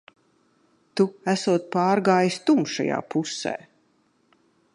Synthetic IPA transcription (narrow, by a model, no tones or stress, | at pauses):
t̪uæsuɔt̪̚pɑːɾɡaːjist̪umʃa̰ja̰ːpusɛ̰ː